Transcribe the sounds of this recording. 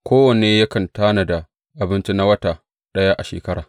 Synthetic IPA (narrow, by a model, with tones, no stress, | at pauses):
kʷoː˦wɐ˨neː˦ja˦kɐ˨ntaː˦na˨da˨ | ʔa˨bɪ˦nt͡ʃi˦na˦wɐ˦ta˨ | ɗɐ˦ja˦ʔa˨ʃḛː˨kɐ˦ɽa̰ː˨